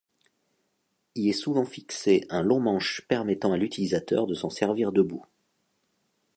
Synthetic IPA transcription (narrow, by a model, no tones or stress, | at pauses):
ilɛsuvɑ̃fikseʔɛ̃lɔ̃mɑ̃ʃpɛʁmɛt̪ɑ̃alyt̪ilizat̪œ̰ʁd̪əsɑ̃sɛʁviʁd̪əbu